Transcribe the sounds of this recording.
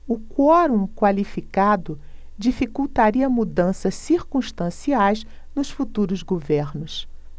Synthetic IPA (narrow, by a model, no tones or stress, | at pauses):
ʊkwɔɾũkwalifikad̪ʊ | d͡ʒifikuwt̪aɾiɐmud̪ɐ̃sɐsːiɾkũʃt̪ɐ̃siajz | nʊsfut̪uɾʊzɡoveɾnʊs